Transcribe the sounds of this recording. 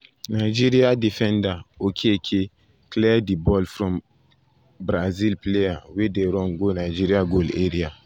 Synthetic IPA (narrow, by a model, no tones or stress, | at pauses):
naɪd͡ʒiɾiadifɛ̃ndaokʰekʰe | klɛdibɔlfɾɔ̃m | bɾazilplejawedeɾɔ̃ŋɡonaɪd͡ʒiɾiaɡoleɾia